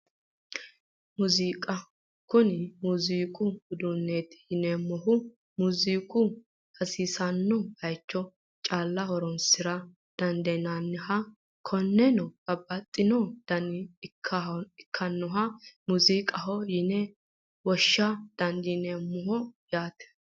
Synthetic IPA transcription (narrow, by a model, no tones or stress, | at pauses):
muziːkʼɐ | kʊnɪmuziːkʼʊɡʊd̪ʊnːeːt̪hɪnɛmɔɦʊ | muziːkʼʊ | hɐsiːsɐnːɔhɐjt͡ʃːɔ | t͡ʃʼaːlːɐhɔɾɔnsɪɾɐ | d̪̥ɐnd̪ɛnanːɪhɐ | kʰɔnːɛnɔɡɐbːɐt̪ʼːɪnɔd̪̥ɐnɪkʰːɐɪkʰːɐnːɔɦɐmuzikʼɐɦɔjɪnɛ | wɔʃːɐd̪̥ɐnd̪ɪnemːɔɦɔjaːt̪ɛ̥